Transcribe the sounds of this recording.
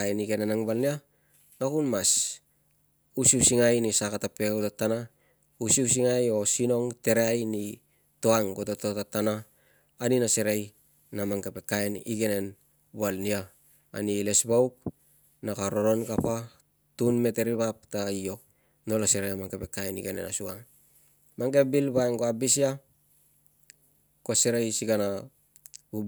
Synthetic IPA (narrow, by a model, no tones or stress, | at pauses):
aeniɡe̞nenaŋbalnia | nakunmas | usiusiŋajnisakatape̞kutatana | usius̬iŋajo̞sino̞ŋte̞ɾeajni | to̞aŋkotatotatanaː | ninase̞ɾej | namaŋkape̞kaenḭɡe̞ne̞n | bualnia̰ː | nilesbawk̚ | nakaɾoɾo̞nkapa | tunme̞te̞ɾiβap̚taio̞k̚ | no̞laseɾeamaŋkepe̞kaeniɡenḛna̰suaŋ | maŋkebilbaeŋɡoabisia | koseɾejsiɡana | u